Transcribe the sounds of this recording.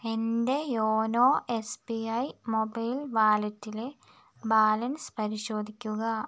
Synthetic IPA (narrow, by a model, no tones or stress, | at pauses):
e̞nd̪e̞joːnoːʔespiɐjmobɐjlʋaːlɐtːile | baːlɐnspɐɾiɕo̞ːd̪ʱikʲːuɣɐ